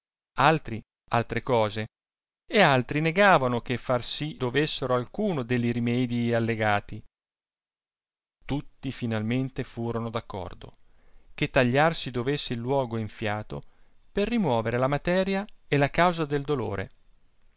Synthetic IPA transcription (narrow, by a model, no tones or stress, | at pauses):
alt̪ɾi | alt̪ɾekɔːze | ealt̪ɾineɡaːvanok̟efːarsid̪ovesːeɾoalkuːnod̪eʎːiɾimɛːd̪ialːeɡaːt̪i | t̪ut̪ːifinalment̪efuːɾonod̪akːɔ̰rd̪o̰ | ket̪ːaʎːarsid̪ovesːeilːwɔːɡoiɱfjaːt̪o̰perːimwɔːveɾelamat̪ɛːɾjaelakawzad̪eld̪olo̰ːɾʔḛ